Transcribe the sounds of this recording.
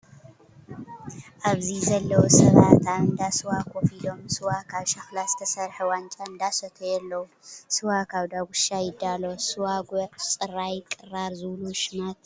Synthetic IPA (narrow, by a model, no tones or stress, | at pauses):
ʔaβzizɐlːɐwosɐβat̪aɨnd̪asɨwakʰofid̪o̞msɨwakʰaβʃɐxlazɨt̪ʰɐsɐɾħewant͡ʃʼaɨnd̪asɐt̪ʰojɛlːɐwu | sɨwakʰaβd̪aɡuʃajɪd̪ːalosɨwaɡot͡sʼɨrajkʼɨɾaɾzɨβluʃɨmat̪